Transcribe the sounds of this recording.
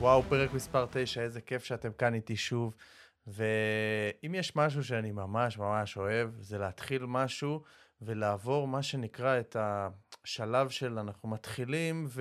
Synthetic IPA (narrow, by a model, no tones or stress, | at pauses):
wawpeʁekmispaʁt̪ejʃaezeke̞fʃeate̞mkanit̪iʃuv | veimjeʃmaʃ̬uʃ̬eanimamaʃmamaʃo̞e̞vzeleat̪χilmaʃuve̞laːvo̞ʁmaʃe̞nikʁaetʰaʃalavʃe̞lanaχnumatχilimv